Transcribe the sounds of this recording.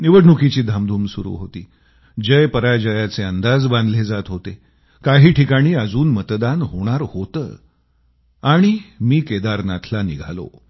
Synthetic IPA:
niʋəɽɳukit͡ɕiːd̪ʱamd̪ʱuːmsuɾṵːɦot̪ḭː | d͡ʑəjpəɾajd͡ʑəjat͡seənd̪ad͡zbãnd̪led͡zat̪ɦot̪e | kaɦiːʈʰikaɽ̃iːəd͡zuːnmət̪d̪anɦoɽ̃aɾhot̪ə̰ː | aɽ̃imiːked̪aɾnat̪ʰlaniɡʱa̰lo̰

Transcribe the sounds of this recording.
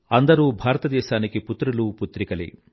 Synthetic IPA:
ɐnd̪ɐɾuːbʱaːɾɐt̪ɐd̪ɛːʃaːnikiput̪ɾɐluput̪ɾikɐlḭ

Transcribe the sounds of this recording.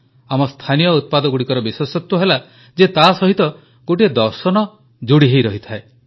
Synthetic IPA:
amɔst̪ʰanijɔut̪̚pad̪ɔɡuɽikɔɾɔbiswɔsɔt̪wɔɦela | d͡ʒet̪asɔɦit̪ɔ | ɡoʈied̪ɔɾsɔnɔ | d͡ʒuɽiɦejɾɔɦit̪ʰae

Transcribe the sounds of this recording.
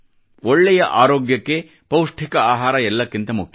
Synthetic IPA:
ɔɭːɛjɐʔaːɾoːɡjɐkːe̞ | pɐwʂʈʰikɐaːɦaːɾɐɛlːɐkːint̪ɐmukʰj

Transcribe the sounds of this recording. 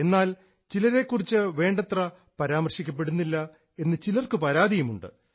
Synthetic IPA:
e̞nːaːl | t͡ɕilɐɾe̞kːurit͡ɕːɨʋe̞ːɳɖɐt̪rɐ | pɐɾaːmɐrɕikʲːɐp̬ːe̞ɽunːilːɐ | e̞nːɨt͡ɕilɐrkɨpɐɾaːd̪ijumuɳɖɨ̰

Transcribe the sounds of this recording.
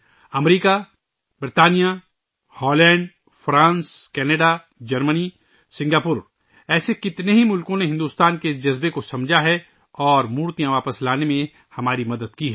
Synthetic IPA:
ɐmɾiːka | bɾt̪aːnija | hɔːlɛ̃ːɳɖ | fɾãːnskɛːnəɖa | d͡ʒɐɾməni | sɪ̃ŋɡaːpʊɾ | ɛːsekɪt̪neɦimʊlkõneɦɪ̃nd̪uːst̪aːnkeɪsd͡ʒɐzbekosɐ̃md͡ʒʱaɦɛ | ɔːɾmuːɾt̪ijãʋaːpəslaːnemẽ | hɐmaːɾimɐd̪əd̪̚kiɦɛː

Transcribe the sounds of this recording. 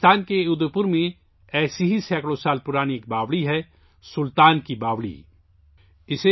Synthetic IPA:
t̪aːnkeʊd̪əɾpʊɾmẽ | ɛːsiɦisɛːkɽõsaːlpʊɾaːniek̚baːʋɽiɦɛ | sʊlt̪aːnkibaːʋɽḭː | ɪse

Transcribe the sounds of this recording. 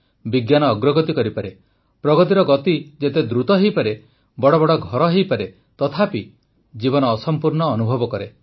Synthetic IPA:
biɡjanɔːɡɾɔɡɔt̪ikɔɾipaɾe | pɾɔɡɔt̪iɾɔɡɔt̪id͡ʒet̪ed̪ɾut̪ɔɦejpaɾe | bɔɽɔbɔɽɔɡʱɔɾɔɦejpaɾe | t̪ɔt̪ʰapi | d͡ʒibɔnɔːsɔmpuɾɳɔːnubʱɔbɔkɔɾe

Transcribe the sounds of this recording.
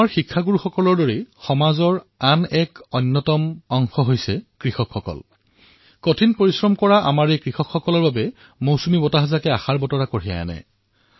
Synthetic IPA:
aɹxikʰːaɡuɹuxɔkɔlɔɹdoɹixɔmazɔɹ | anɛkɔjnːɔtɔmɔŋxɔɦojsɛkɹixɔkxɔkɔ̰l | kotʰinpoɹisɹɔmkɔɹaʔa̰maɹekɹixɔkxɔkɔlɔɹbabɛ | mowsumibɔtaɦazakɛaxaɹbɔtɔɹakoɹija̰ja̰nɛ̰

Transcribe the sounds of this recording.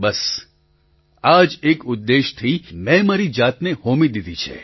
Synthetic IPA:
bəs | ad͡ʒekʊd̪ːeʃt̪ʰimɛ̃maɾid͡ʒat̪nehomid̪id̪it͡ʃʰḛ

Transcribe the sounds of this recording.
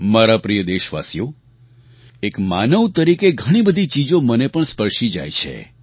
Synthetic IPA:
maɾapɾijəd̪eʃʋa̰sjo | ekmanəʋt̪əɾikeɡʱəɽ̃ibəd̪ʱit͡ʃid͡ʒomənepəɳspəɾʃid͡ʒa̰jt͡ʃʰḛ

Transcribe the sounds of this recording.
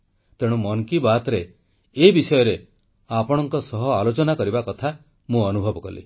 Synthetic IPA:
t̪eɽ̃umɔŋkibat̪ɾe | ebisɔjɔɾe | apɔɽ̃ɔŋkɔsɔɦɔalot͡ʃɔnakɔɾibakɔt̪ʰa | mũɔnubʱɔbɔkɔlḭ

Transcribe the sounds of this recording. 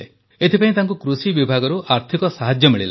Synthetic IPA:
e | et̪ʰipaĩt̪aŋkukɾusibibʱaɡɔɾuʔaɾt̪ʰikɔsaɦad͡ʒjɔmiɭila

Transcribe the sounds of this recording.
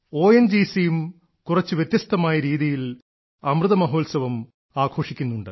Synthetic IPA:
o̞ːjend͡ʑiːsijum | kurɐt͡ɕːɨʋjet̪jɐst̪ɐmaːjɐɾiːðijil | ɐmrɨðɐmɐɦo̞ːlsɐʋɐm | aːɡʰʱo̞ːʂikʲːunːuɳɖɨ̰

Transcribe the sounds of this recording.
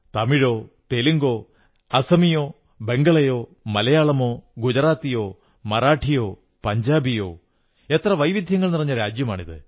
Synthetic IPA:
t̪ɐmiɻo̞ːt̪e̞liŋɡo̞ː | ɐsɐmijo̞ː | be̞ŋɡɐɭɐjo̞ː | mɐlɐjaːɭɐmo̞ːɡud͡ʑɐraːt̪ːijo̞ː | mɐraːʈʰijo̞ː | pɐɲd͡ʑaːbijo̞̰ː | e̞t̪rɐʋɐjʋid̪ʱjɐŋːɐɭnirɐɲːɐɾaːd͡ʑjɐmaːɳiðɨ̰

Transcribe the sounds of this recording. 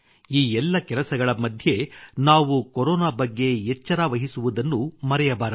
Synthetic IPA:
iːɛlːɐkɛlɐsɐɡɐɭɐmɐd̪ʱje̞naːʋukoɾoːnaːbɐɡːe̞ɛt͡ʃːɐɾaːʋɐɦisuʋud̪ɐnːumɐɾɛjɐbaːɾɐ

